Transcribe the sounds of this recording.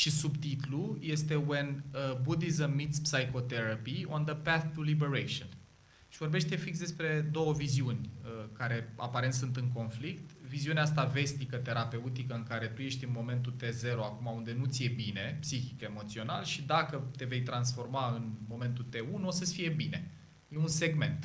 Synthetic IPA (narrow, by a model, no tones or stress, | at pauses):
ʃisubt̪it̪uluje̞st̪e̞we̞nəbud̪izəmːit̪spsajko̞t̪eɾapiond̪əpæθt̪ulibeɾejʃion | ʃivo̞rbe̞ʃt̪e̞fiks̬d̪e̞spɾe̞d̪o̞wəviziunʲəkaɾe̞a̰paɾe̞nt̪sunt̪ɨŋko̞nflikt̪viziuneaas̬t̪ave̞st̪ikət̪e̞ɾape̞ut̪ikəɨŋkaɾe̞t̪uje̞ʃt̪ʲɨnmo̞me̞nt̪ut̪e̞ze̞ɾoakumaund̪e̞nut̪sije̞bine̞psiçike̞mo̞t̪sio̞na̰lʃid̪akət̪e̞ve̞jt̪ɾansfo̞rmaɨnmo̞me̞nt̪ut̪e̞unuosəsfije̞bine̞ | je̞unse̞ɡme̞̰nt̪